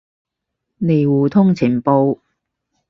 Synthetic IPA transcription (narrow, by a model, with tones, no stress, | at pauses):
ne˨jwuː˨t̪ʰʊ˥ŋt͡sʰi˨˩npo˧w